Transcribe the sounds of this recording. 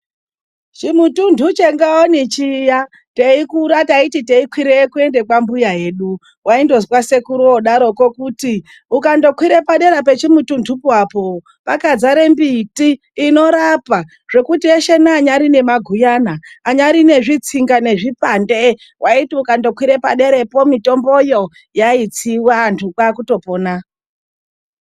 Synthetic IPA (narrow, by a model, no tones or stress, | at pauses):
t͡ʃimutundʱut͡ʃeŋɡaonit͡ʃija | teikuɾataititeikwiɾekue̞nde̞kwambujaɦe̞ɗu | waindo̞zwase̞kuɾuoɗaɾo̞kokuti | ukando̞kwiɾe̞paɗe̞ɾape̞t͡ʃimutundʰʱupuwapo | pakad͡zaɾe̞mbitiː | no̞ɾapa | ʐ̥e̞kutieʃenaːɲaɾine̞maɡʱujanaːɲaɾine̞ʐit͡siŋɡane̞ʐipande | waitiukando̞kwiɾe̞pa̰ɗe̞ɾe̞po̞mito̞mbo̞jo̞ | jait͡siwantʰukwakuto̞po̞ːna